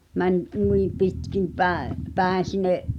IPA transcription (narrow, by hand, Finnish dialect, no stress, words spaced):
mænʲ nui pitkim pæeʔ pæˑen̞ sinˑeʔ